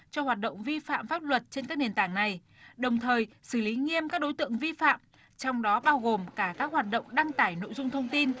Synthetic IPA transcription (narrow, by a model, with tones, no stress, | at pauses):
t͡ɕɔ˧hwaː˨˩t̚ɗə̰˧˨wŋ͡mvi˧fa̰ː˧˨mfaː˦˥p̚lwə˨˩t̚t͡ɕe˧nkaː˦˥k̚ɗi˨˩nt̪aː˧˩ŋna˨˩j | ɗə˨˩wŋ͡mt̪ʰəː˨˩jsɨ˧˩li˨˦ŋi˧əmkaː˦˥k̚ɗo˨˦jt̪ɨ̰˧˨əŋvi˧fa̰ː˧˨m | t͡ɕɔ˧wŋ͡mɗɔ˨˦ɓaː˧wɣo˨˩mkaː˧˩kaː˦˥k̚hwaː˨˩t̚ɗə̰˧˨wŋ͡mɗa˧ŋt̪aː˧˩jno̰˧˨jzʊ˧ŋ͡mt̪ʰə˧wŋ͡mt̪i˧n